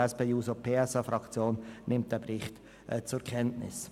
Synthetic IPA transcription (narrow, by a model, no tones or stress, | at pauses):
ɛspeːjuːsopʰeːɛsɑfɾɑkt͡sjoːnnɪmt̚d̥ɛbɾɪχt | ɛt͡sʊɾkʰɛntnɪ̰s